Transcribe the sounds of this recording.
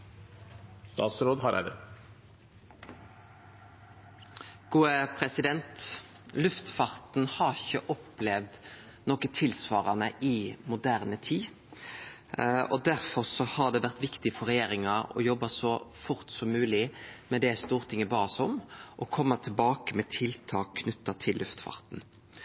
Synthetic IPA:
st̪ɑ̰ːt̪sɾoːd̪hɑɾʔæ̰d̪ə | ɡ̥uːəpʰɾɛsɪd̪ɛnt̪ | lʉft̪fɑːʁt̪n̩hɑʁɪçə̰ʔɔplɛʋd̪ | nɔkət̪ʰɪlsʋɑːʁənəʔɪmʊd̪æʁnət̪ʰiː | ɔd̪æɾfɔʁsɔhɑd̪ɛʋæʁt̪ʋɪkt̪ɪfɔɾɛjeːɾɪŋɑɔ̰jɔbːɑsɔfʊɾt̪sɔmːʉːlɪmɛd̪ɛst̪uːʁt̪ʰɪŋːəbɑːʁsɔmʔɔkʰɔmːɑt̪ʰɪlbɑːkəmɛt̪ʰɪlt̪ʰɑːkʰnʉt̪ːɑt̪ʰɪlʔʉft̪fɑ̰ʁt̪n̩

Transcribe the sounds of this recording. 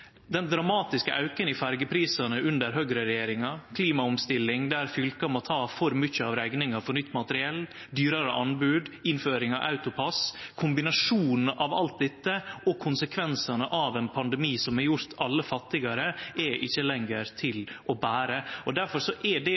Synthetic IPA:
d̪ɛnd̪ɾɑmɑːt̪ɪskəʔɑʉkənɪfæɾɡəpʰɾiːsɑnəʉnd̪əɾɦøːɡɾəɾɛjeːɾɪŋɑkʰliːmɑʊmst̪ɪlːɪŋd̪ɛæɾfʏlkɑmɔt̪ʰɑːfɔɾmʏçːəɑʋɾæɡnɪŋɑfɔɾnʏt̪ːmɑt̪əɾɪɛlː | d̪yːɾɑɾəʔɑnbʉːd̪ɪnføːɾɪŋɑʔɑ̰ʉt̪ʊpʰɑskʰʊmbɪnɑʂuːnn̩ʔɑʋɑ̰lt̪̚d̪ɛt̪ːəʔɔkʰʊnsəkʰʋɛnsɑnəʔɑʋɛnpʰɑnd̪ɛmiːsɔmɛɾjʊɾt̪ʰɑlːəfɑt̪ːɪɡɑɾəɛʔɪçːəlɛŋɡəɾt̪ʰɪlʔɔbæːɾəɔd̪æɾfɔɾʂɔʔɛɖɛ

